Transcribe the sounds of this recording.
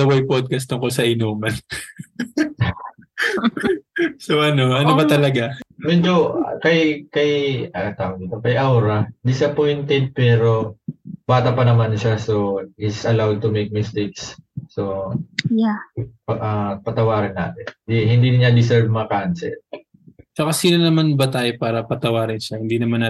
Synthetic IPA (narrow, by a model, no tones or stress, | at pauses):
sɐwɐjpod̪̚kɐst̪ʊŋkosɐʔɪnoːmɐn | soʔɐno̞ʔɐnobɐt̪ɐlɐɡamɛd͡ʒo̞kɐjkɐjt̪aːwonit̪okɐjʔawɾɐd̪ɪsɐpojnt̪ɛd̪̚pɛːɾo̞b̥aːt̪ɐpɐnɐmanʃaso̞ɪsʔɐlawd̪̚t̪ʊmejk̚mɪst̪eksːojapʔɐpɐt̪ɐwaːɾɐnːa̰ːt̪ɪnd̪ihɪnd̪iːnɪɲad̪ɪs̬ɛɹb̚mɐŋɐkansɛ̰ | t͡ʃɐkasiːnɐnɐmanbɐt̪aːjopaːɾɐpɐt̪ɐwaːɾɪnʃahɪnd̪iːnɐmanːa